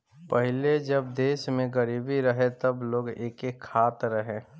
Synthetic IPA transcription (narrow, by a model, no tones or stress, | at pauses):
pəɦɪled͡ʒɐb̚d̪eːʃmẽɡəɾiːbiɾəɦet̪ɐbloːɡeːkekʰːaːt̪ɾəɦẽː